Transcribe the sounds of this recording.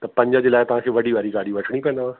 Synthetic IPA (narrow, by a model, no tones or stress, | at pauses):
t̪ɐpɐ̃ɲd͡ʒad͡ʒilaːet̪ɐʋ̤ãkʰeʋɐɽiʋaːɾiɡaːɽibɐʈʰɽ̃ipɛ̃ːnd̪aã